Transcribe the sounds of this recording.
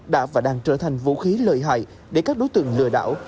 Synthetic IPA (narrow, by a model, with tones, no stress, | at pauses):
ɗa̰ː˧˥vaː˨˩ɗaː˧ŋt͡ɕəː˧˩t̪ʰa˨˩jŋ̟vṵ˧˥xi˨˦ləː˨˩jɦa̰ː˧˨j | ɗe˧˩kaː˦˥k̚ɗo˨˦jt̪ɨ̰˧˨əŋlɨ̰˧əɗa̰ː˧˥w